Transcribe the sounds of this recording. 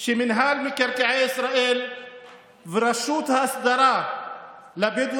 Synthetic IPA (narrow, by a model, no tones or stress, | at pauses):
ʃeminɦalmikaɾkaʕeisɾaʔel | veɾaʃut̪haːsd̪aɾa | labed̪